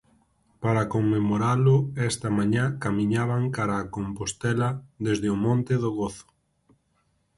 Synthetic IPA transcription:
paɾakoŋmemoɾalʊɛst̪ɐmãɲakamĩɲaβaŋkaɾaːkompost̪ɛlɐðezðɪʊmõnt̪ɪðʊɣoθʊ̥

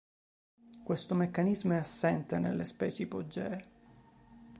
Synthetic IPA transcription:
kwest̪omekːanizmoeasːɛnt̪enḛlːespɛːt͡ʃiipod͡ʒːɛː

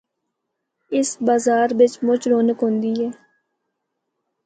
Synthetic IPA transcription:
ɪsbaːzaːɾʋɪt͡ʃmʊt͡ʃɾoːnəkɦõːnd̪iːɦɛː

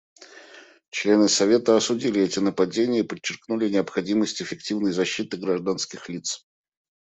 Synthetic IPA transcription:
t͡ɕlʲe̞nɨsɐvʲe̞t̪əɐsʊdʲilʲɪɛtʲɪnəpɐdʲenʲɪjəipət͡ɕːɪrknulʲɪnʲɪəpxɐdʲiməsʲtʲɪfʲːɪktʲivnəjzɐɕːit̪ɨɡɾɐʐd̪anskʲɪxlʲit̪s

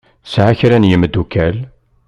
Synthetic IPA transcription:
sʕaçɾænjəməd̪ːukæl

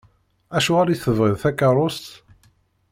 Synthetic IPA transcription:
æʃuʁaɾiθəvʁiðθækːɑɾˤʊst̪

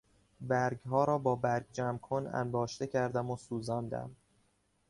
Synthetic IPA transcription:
bæɾɡɦɒːɾɒːbɒːbæɾɡ̚d͡ʒæmkʰonæ̰nbɒːʃt̪e̞cʰæɾd̪æmosuːzɒːnd̪æ̰m

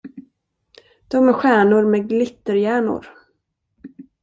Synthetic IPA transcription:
d̪̥ɔmæɾɧæːɳʊɾmɛɡlɪt̪ːəɾjæːɳʊ̰ɾ

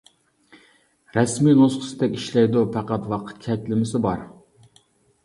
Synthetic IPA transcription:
ɾɛsminosqʰʊ̥sɪd̪ɛkʲiʃlɛjd̪upʰæqɑt̪wɑqʰɨ̥t̪̚kʲʰɛt̪ʲlɪmɪsɪbɑɾ

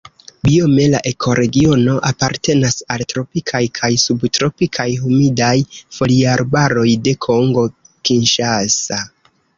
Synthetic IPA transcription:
biome̞la̰ʔe̞kʰo̞ɾe̞ɡio̞no̞ʔapaɾte̞nasaltɾo̞pikʰajkʰajsubtɾo̞pikʰajɦumidajfo̞liaɾbaɾo̞jde̞kʰo̞ŋɡo̞ | kinʃasa

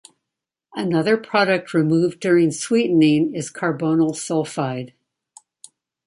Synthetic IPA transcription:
ɨnʌðə˞pʰɹ̥ɑɾɨk̚t̚ʰɹimuvdʊɹɪ̃ŋswiʔn̩ɪ̃ŋɪz̥kʰɑɹbõʊ̃nl̩ˠsɔlˠfaɪd̥

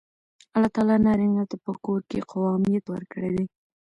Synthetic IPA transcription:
alːɑt̪ɑlɑnɑɾɪŋɡat̪apəkoɾkeqawɑmijat̪wə̰ɾkəɽed̪e

